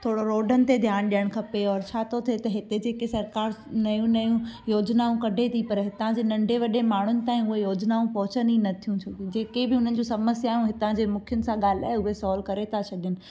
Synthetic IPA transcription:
t̪ʰoːɽoɾoːɖʱənɪ̆t̪ed̪ʱjaːɽ̃ɗijəɽ̃kʰɐpeɔːɾt͡ɕʰaːt̪ʰot̪ʰet̪ɐɦɪt̪ed͡ʑeːkesɐɾkaːɾnɐjũnɐjũjoːd͡ʑnaːũkɐɖʱet̪ʰipɐɾɦɪt̪ãd͡ʑeːnɐ̃ɳɖʱeʋɐɗemaːɳ̤ʊnɪ̆t̪aːĩʊɦejoːd͡ʑnaːũpɐɦʊt͡ɕəninɐt̪ʰijũt͡ɕʰʊid͡ʑeːkebɪʊn̤ənɪ̆d͡ʑũːsɐməsjaːijũɦɪt̪ãd͡ʑeːmʊkʰɪjʊnɪ̆sãɠaːl̤a̰ːɦeʊɦesɔːlkɐɾet̪ʰat͡ɕʰɐɗɪjʊnɪ̆

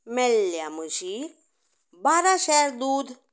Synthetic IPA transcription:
mɛlːjaməɕi | baɾaʃɛɾd̪uːd̪

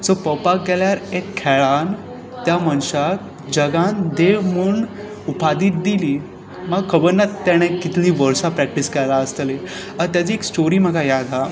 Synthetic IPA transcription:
sopəpakɡɛljaɾekkʰːɛɭan | t̪jamənɕat̪ | d͡ʑəɡãnd̪eʋmuɳ | upad̪iːt̪̚d̪iliː | məɡkʰəbəɾnat̪aɽ̃ẽkit̪liːʋəɾsapɾɛk̚ʈiskɛjlaəst̪le | at̪jat͡ɕiːeksʈoɾiːm̤əɡajad̪ʱa

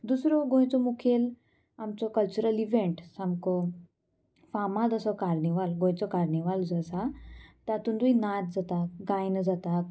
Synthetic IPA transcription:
d̪usɾɔɡõjt͡sɔmukʰel | amt͡sɔkəlt͡ɕuɾəliʋẽɳʈsamkɔ | famad̪əsɔkaɾɳiʋalɡõjt͡sɔkaɾniʋald͡zəsat̪at̪und̪uinat̪̚d͡zat̪akɡãjnəd͡zat̪ak

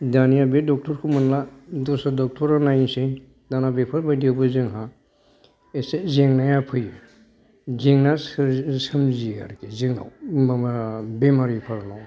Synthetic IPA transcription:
danijabedɔk̚tʰɔɾkʰɯmɯnladɔsadɔk̚tʰɔɾanajnse | danabepʰɯɾbajdewbɯzɯŋɦa | esezeŋnajapʰɯj | zeŋnassɯmzia̰ɾkeziŋa̰w | bemaɾipʰaɾnaw

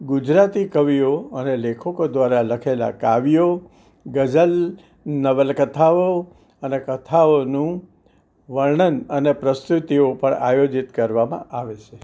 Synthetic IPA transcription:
ɡʊd͡ʒɾat̪ikəʋioənelekʰəkod̪ʋaɾaləkʰela̰kaʋijo | ɡəd͡ʒəl | nəʋəlkət̪ʰao | ənekət̪ʰaonũ | ʋəɾɳənənepɾəst̪ut̪iopəɳa̰jod͡ʒit̪kəɾʋamã̰ʔaʋet͡ʃʰe

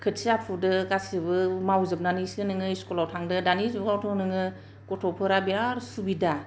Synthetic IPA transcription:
kʰɯtsiapʰudɯɡasɯbɯmawzɯp̚nanisɯnɯŋɯiskɔlawtʰaŋdɯdanizbɯɡawtʰɔŋnɯŋɯ | kɔtʰɔpʰɯɾabiaɾsubida

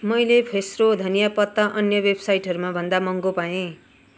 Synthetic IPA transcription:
mʌjlepʰesrod̪ʱʌnijapʌt̪ːaʔʌnjʌwebʱsajʈɦʌɾumabʱʌnd̪amʌŋɡopaẽ

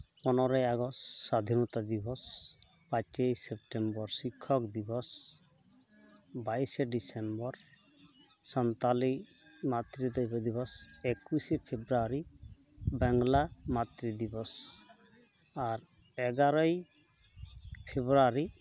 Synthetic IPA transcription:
pɔnɔɾɔjaɡɔsːad̪ʱinɔt̪ad̪ibɔs | pat͡ʃejsep̚ʈembɔɾsikʰːɔkd̪ibɔs | bajseɖisembɔɾ | sɔnt̪ali | mat̪ɾid̪ɔjbɔd̪ibɔsekusepʰebɾaɾi | bɛŋlamat̪ɾid̪ibɔs | aɾ | ɛɡaɾɔj | pʰebɾaɾi

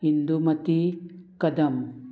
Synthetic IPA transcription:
ɦind̪umɐt̪ikɐd̪ɐm

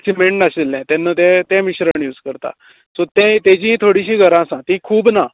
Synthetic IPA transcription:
ksimeɳʈnaselːɛ̃t̪ɛnːət̪ɛ̃t̪ɛ̃miɕɾəɳjuːd͡zkəɾt̪a̰ | sot̪ɛ̃t̪ɛ̃d͡ʑĩt̪ʰoɽiɕĩːɡʱəɾãsãt̪ĩkʰuːbna

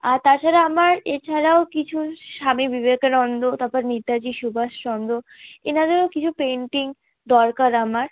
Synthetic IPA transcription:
aɾt̪aɾt͡ɕʰaɾaamaɾet͡ɕʰaɾaokit͡ɕʰuʃamibibekɾɔnd̪ot̪apaɾniɾd̪ad͡ʑiʃubʱaʃɾɔnd̪ʱoenad̪eɾokit͡ɕʰupeɳʈiŋ | d̪ɔɾkaɾamaɾ

